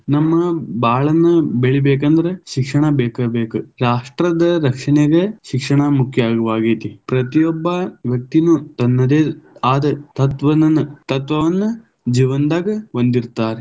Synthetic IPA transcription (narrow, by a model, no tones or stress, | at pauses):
nɐmːɐbaːɭɐnːubeɭibeːk̬ɐnd̪ɐɾeʃikʂɐɳɐbɛːkɐbeːkuɾaːʂʈɾɐd̪ɐɾɐkʂɐɳeɡeʃikʂɐɳɐmukʰjɐaːɡɐʋaːɡit̪ipɾɐt̪ijɔbːɐʋjɐk̚t̪inut̪ɐnːɐd̪eːaːd̪ɐt̪ɐt̪ʋɐnɐnːut̪ɐt̪ʋɐʋɐnːu | d͡ʒiːʋɐnd̪aːɡɐond̪iɾt̪aːɾe